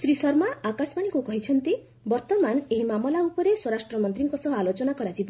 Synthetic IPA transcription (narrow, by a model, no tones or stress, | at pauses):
sɾisɔɾmaakasbaɽ̃iŋkukɔɦit͡ʃʰɔnt̪i | bɔɾt̪ɔmaneɦimamɔlaupɔɾeswɔɾasʈɾɔmɔnt̪ɾiŋkɔsɔɦalot͡ʃɔnakɔɾat͡ʃʰib